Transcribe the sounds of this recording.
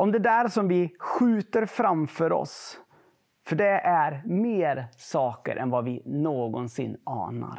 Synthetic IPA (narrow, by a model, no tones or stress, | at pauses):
ʔɔmd̪ɛd̪æɾʂɔmvɪɧʉ̟ːt̪əɾfɾamfœːɾɔ̰s | fœɖɛʔæɾmeːɾsɑːkə̰ɾʔɛ̰nvɑvɪnoːɡɔnsɪ̰nːɑ̰ːna̰ɾ